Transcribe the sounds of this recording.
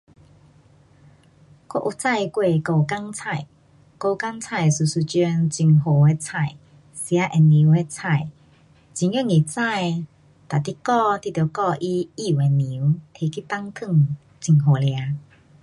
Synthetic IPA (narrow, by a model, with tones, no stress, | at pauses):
kɔ̰˥˧˦ʔu˧˨t͡sa˥˧˨jkwe˧ko˧ka˦˥ŋt͡sʰa˥˧˨j | ko˧ka˦ŋt͡sʰa˥˧˩jsu˨˩su˧˩t͡ɕjɔ˧nt͡ɕi˨˩ŋɦo˨˩e˧˦t͡sʰa˥˧˩j | sja˧˦ʔe˧ni˨˦we˧t͡sʰa˥˧˩j | t͡ɕi˨ŋjɛ˥˨ŋi˨˩t͡sa˥˧˨j | t̪a˨˩t̪i˦kɔ˥˧t̪i˦˥˨t̪ːkɔ˥˧ʔi˦i˦˧˨we˨ni˨˦wt̪ʰe˧ki˦˨t̪a˦ŋt̪ʰɨ˥˧˨ŋ | t͡ɕi˨˩ŋɦo˨˩lja˧˦